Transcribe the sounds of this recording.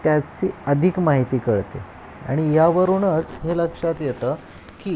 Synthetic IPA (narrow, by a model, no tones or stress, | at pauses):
t̪jat͡ɕiːəd̪ʱikmaɦit̪iːkəɭt̪ḛ | a̰ɽ̃ijaʋəɾunət͡sɦeləkʂat̪jet̪əː | kiː